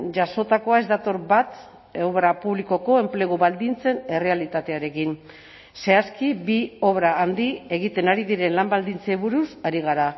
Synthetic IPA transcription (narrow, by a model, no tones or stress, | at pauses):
ʝaso̞t̪ako̞ae̞zd̪at̪o̞ɾbat̪ | oβɾapuβliko̞ko̞e̞mple̞ɣ̞uβald̪int͡se̞ne̞re̞alit̪at̪e̞aɾe̞kin | se̞askibio̞βɾaːnd̪ie̞ɣ̞it̪e̞naɾiðiɾe̞nlambald̪int͡seβuɾusaɾiɣ̞aɾa